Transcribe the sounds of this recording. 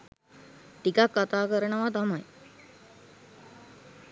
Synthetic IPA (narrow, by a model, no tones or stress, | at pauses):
ʈikakːat̪aːkəɾəɳəʋat̪amaj